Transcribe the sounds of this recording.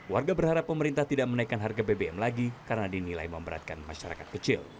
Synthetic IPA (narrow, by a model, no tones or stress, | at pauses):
warɡabərhaɾapːəməɾint̪aht̪idaʔmənaikːanɦarɡabebeɛmlaɡikaɾənadinila̰jməmbəɾa̰t̪̚kanma̰ʃaɾa̰kat̪̚kət͡ʃɪ̰l